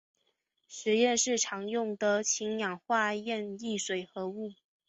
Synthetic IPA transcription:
ʂɻ̩˧˥jɛ˥˧nʂɻ̩˥˩ʈ͡ʂʰɑ˧˥ŋjʊ˥˩ŋd̪ə˨˩t͡ɕʰi˧˥ŋjɑ˨˩ŋxwa˥˧jɛ˥˧ni˥˩ʂwe˨˩ɪxɤ˧˥u˥˩

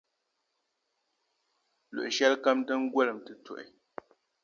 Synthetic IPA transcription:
lṵ˨ʔʃɛ˦lkə˦mtə˦ŋ̩˦ɡwɛ˦˨lə˨mtɨ˦˨to̰˨ʔḛ˨

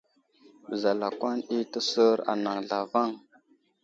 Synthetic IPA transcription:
bə˨za˨la˨kwa˦ni˦tə˦sə˦ɾa̰˨na˨ŋɮa˨va˦˨ŋ

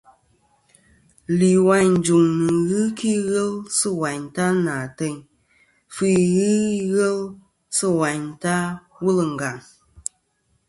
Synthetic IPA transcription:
li˨wa˨ɲn̩˨d͡ʒu˨ŋnɨ˨ɣɨ˦ki˦ɣə˦lsɨ˦wa˨ɲta˦na˨te˦˨ɲ | fi˦ɣɨ˦i˦ɣə˦l | sɨ˦wa˨ɲta˦ | wu˦lɨ˨ŋ̩˨ɡa˨ŋ

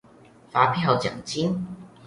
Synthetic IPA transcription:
faː˨˥pʰi˥nɦɐ˨˧wt͡sɐ̰˨˩ŋt͡siː˥n

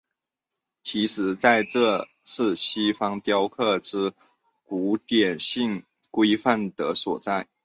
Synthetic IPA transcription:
t͡ɕʰi˧˥ʂɻ̩˧˥t͡sa˥˧ɪʈ͡ʂɤ˥˧ | ʂɹ̩˥˩ɕi˥fɑ˥ŋt̪jɑ˥ʊkʰɤ˥˩ʈ͡ʂɻ̩˥ | ku˧˥t̪jɛ˨˩nɕi˥˩ŋ | kwe˥ɪfa˥˩nd̪ə˧˦swɔ˨˩t͡sa˥˩ɪ

